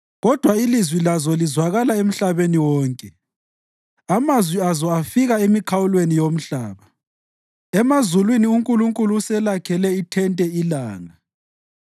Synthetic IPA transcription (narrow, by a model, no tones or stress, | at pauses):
ɣɔd̥ʱwailizwilazɔlizwaɣalaem̩ɬaβeniwɔːŋkʼɛ | amazwiazɔafiɣaemikʰawulwenijom̩ɬaːβa | ɛmazulwiniuŋkʼuluŋkʼuluusɛlakʰɛlɛitʰɛntʼɛilaːŋa